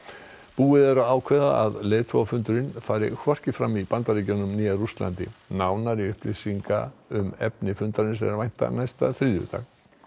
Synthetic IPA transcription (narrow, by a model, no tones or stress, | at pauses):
puːɪðɛɾaaːwkʰvɛða̰aðleːjðt̪ʰvɔwafʏnt̪ʏɾɪnfaːjɾɪ̰kʰvɔr̥cɪfɾamipant̪aɾiːcanʏmniːjaɾust̪la̰nt̪ɪ̰nawnaɾiʏhplɪsiŋka̰ʏmɛ̰pnɪfʏnt̪aɾɪnsɛ̰mɛɾvajn̥t̪a̰najst̪a̰θɾiːðʏ̰t̪a̰ɣ